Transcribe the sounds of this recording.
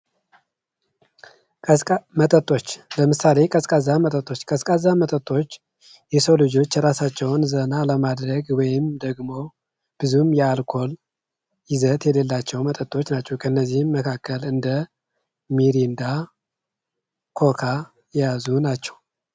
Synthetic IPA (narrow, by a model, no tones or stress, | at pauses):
kʼmət̪ʼət̪ʼːo̞t͡ʃːləmɨsale̞kʼəskʼazːamət̪ʼət̪ʼːo̞t͡ʃːkʼəskʼazamət̪ʼət̪ʼːo̞t͡ʃː | jɛsəwlɨd͡ʒo̞t͡ʃːɾasat͡ʃːɛwnzənaləmad̪ɾəɡwɔjɪmd̪əɡmo̞ | b̥ɨzumjɛalkʰo̞l | jɪzət̪jɛlelːat͡ʃːɛwmət̪ʼət̪ʼːo̞t͡ʃːnat͡ʃːɛwkʰəɨnːəzːihmːəkʰakʰːəlɨnd̪ə | miɾind̪a | kʰo̞kʰa | jɛjazunat͡ʃːɛw